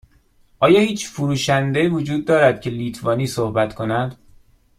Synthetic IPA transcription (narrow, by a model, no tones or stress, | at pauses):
ʔɒːjɒːhiːt͡ʃfuɾuːʃænd̪eivod͡ʒuːd̪̚ːɒːɾæd̪̥cʰe̞liːt̪ʰvɒːniːsohbæt̪kʰo̞næd̪̥